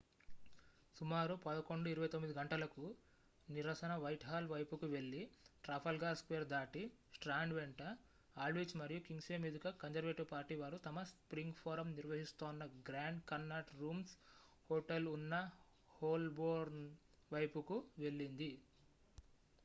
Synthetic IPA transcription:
sumaːɾupɐd̪ɐko̞ɳɖuiɾuʋɐjt̪omːid̪iɡɐɳʈɐlɐku | niɾɐsɐnɐʋɐjʈɦaːlʋɐjpukuʋe̞ɭːiʈɾaːpʰɐlɡaːɾskʋeːɾd̪aːʈi | sʈɾaːɳɖʋeɳʈɐ | aːlʋit͡ʃmɐɾijukiŋɡseːmid̪ukɐkɐnd͡ʒɐɾʋeːʈupaːɾʈiʋaːɾut̪ɐmɐspɾiŋɡpʰoːɾɐmniɾʋɐɦist̪oːnːɐɡɾaːɳɖkɐnːaːʈɾuːms | hoːʈelunːɐ | hoːlboːɾn | ʋɐjpukuʋe̞ɭːind̪i

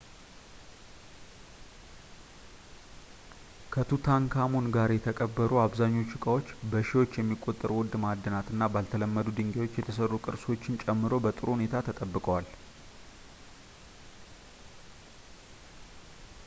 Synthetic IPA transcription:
kʰət̪ʰut̪ʰaŋkʰamo̞nɡaɾjɛt̪ʰəkʼəbːəɾʔuaβzaɲːo̞t͡ʃːɨkʼawo̞t͡ʃːbəʃiwo̞t͡ʃːjɛmːikʼːo̞t̪ʼːəɾuwʊd̪mad̪ːənat̪ɨnːabalt̪ʰələmːəd̪ud̪ɨŋɡewo̞t͡ʃːjɛt̪ʰəsərːukʼɨɾso̞t͡ʃːɪnt͡ʃʼɛmːɨɾo̞bət̪ʼɨɾuhune̞t̪ʰat̪ʰət̪ʼəbːɨkʼwal

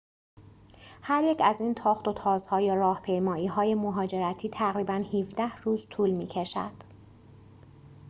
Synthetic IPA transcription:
hæɾjecʰæziːnt̪ʰɒːχt̪o̞t̪ʰɒːzhɒːjorɒːhpʰe̞jmɒːiːɦɒːjemoɦɒːd͡ʒe̞ɾæt̪ʰiːt̪ʰæɣɾiːbænhifd̪æhruːzt̪ʰuːlmiːcʰeʃæ̰d̪̥

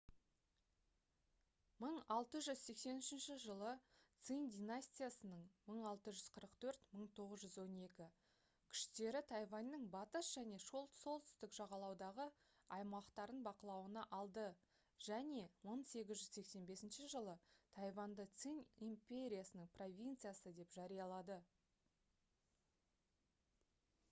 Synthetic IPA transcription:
məɴɑlˠt̪əʒʏzse̞kse̞nʏʃɪnʃɪʒəlˠət̪sɨnd̪ʲinasʲt̪ʲijasənəɴməɴɑlˠt̪əʒʏz̥qʰəɾəqt̪ʰɵɾt̪məɴt̪ʰo̞ʁəzʒʏzwo̞ne̞kʲɪ | kʲʰʏ̥ʃt̪e̞ɾɪt̪ʰɑjvɑnːəɴbɑt̪əsʒ̥æne̞ʃoso̞lˠt̪ʏ̥st̪ɪkʒɑʁɑlˠɑwd̪ɑʁə | ɑjmɑqt̪ɑɾənbɑqəlˠɑwənɑʔɑlˠd̪ə | ʒ̥æne̞wəɴse̞ɡʲɪzʒʏzse̞kse̞nbe̞sɪnʃɪʒəlˠət̪ʰɑjvɑnd̪ət̪sɨnimpʲe̞ɾʲijasənəɴpro̞vʲint̪sɨjasəd̪e̞pʒɑɾijɑlˠɑd̪ə

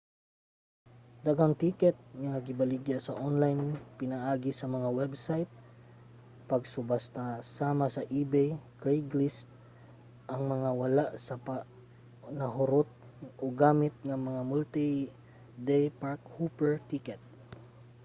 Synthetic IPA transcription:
d̪aɡaŋt̪ikɛt̪̚ŋɐŋɐɡɪbɐlɪɡjasɐʔonlajnpɪnɐʔaːɡɪsɐmɐŋawɛbsajt̪̚ | pɐɡsʊbast̪ɐsaːmɐsɐʔibɛjkɹɛjɡlist̪̚ | ʔɐŋmɐŋawɐlaʔsɐpa | nɐɦʊɾot̪̚ | ʔoɡaːmɪt̪̚ŋɐmɐŋamult̪i | d̪ɛjpaɹkhupɛɹt̪ikɛt̪̚

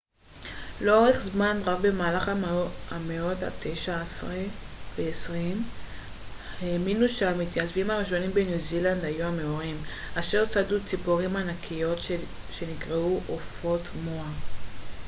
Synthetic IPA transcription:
leo̞ʁeχzmanʁakbe̞maːlaχaameo̞ta̰tʰejʃaasʁeveːsʁim | heminuʃeamit̪jazvimaʁiʃo̞nimbe̞njuziland̪ajuhame̞oʁim | ʔaʃeʁt͡sadut͡sipoʁimanakʰijo̞t | ʃe̞nikʁeuʔofo̞tmoa

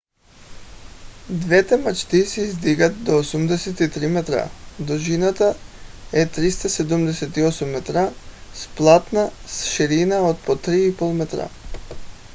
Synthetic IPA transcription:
d̪vɛt̪ɛmat͡ʃt̪isɛizd̪iɡat̪̚d̪ɔːsumd̪ɛsɛt̪it̪ɾimɛt̪ɾa̰d̪ɔʒinat̪aɛt̪ɾist̪asɛd̪umd̪ɛsɛt̪iɔsumːɛt̪ɾasplˠat̪nasʃiɾinaot̪̚pɔt̪ɾiipolˠmɛt̪ɾa̰

